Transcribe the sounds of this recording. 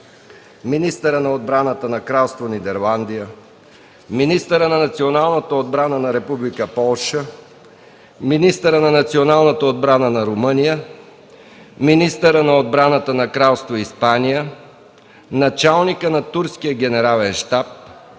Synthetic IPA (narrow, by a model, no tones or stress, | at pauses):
minist̪əɾənɐod̪̚bɾanət̪ənɐkɾalˠst̪vonid̪ɛɾlˠand̪ijə | minist̪əɾənɐnɐt̪sionalˠnət̪əod̪̚bɾanənɐɾɛpublikəpɔlˠʃə | minist̪əɾənɐnɐt̪sionalˠnət̪əod̪̚bɾanənɐɾomənijə | minist̪əɾənɐod̪̚bɾanət̪ənɐkɾalˠst̪voispanijə | nɐt͡ʃalˠnikənɐt̪uɾskijəɡʲɛnɛɾalɛnʃt̪ap̚